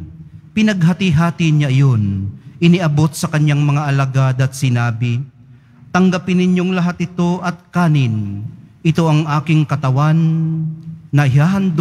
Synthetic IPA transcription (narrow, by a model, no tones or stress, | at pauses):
pɪnɐɡ̚ɦat̪ɪɦaːt̪ɪɲaʔɐjonʔɪniʔɐbo̞t̪̚sɐkɐɲjaŋmɐŋaʔɐlɐɡad̪ɐt̪̚sɪnaːbɪ | t̪ɐŋɡapɪnːɪɲjoŋlɐɦat̪̚ɪt̪o̞ʔɐt̪̚kaːnɪnʔɪt̪o̞ʔɐŋʔaːkɪŋkɐt̪ɐwanː | ɐɪɦaːɦɐnd̪